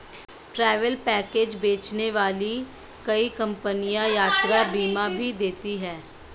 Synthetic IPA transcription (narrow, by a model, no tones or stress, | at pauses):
ʈɾɛːʋəlpɛːkeːd͡ʒbeːt͡ʃneʋaːliː | kəiːkəmpənijãːjaːt̪ɾaːbiːmãːbʱiːd̪eːt̪iːɦɛː